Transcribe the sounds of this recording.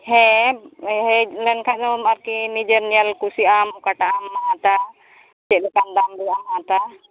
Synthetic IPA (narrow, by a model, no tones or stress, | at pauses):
hɛ | ɦɛlɛnkʰad̪ɔmaɾkinid͡ʒəɾnialkusiʔamɔkaʈaamːaãt̪a | t͡ʃɛɗɛkand̪amd̪ɛamãt̪a